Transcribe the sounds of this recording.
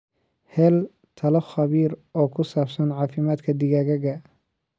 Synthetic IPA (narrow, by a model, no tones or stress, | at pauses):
hɛːl | t̪ʰɐlɐxɐβiːɾɔːkʰʊsaːbsɐnʕɑːfɪmaːd̪kʰɐd̪ɪɣaːɣɐɣɐ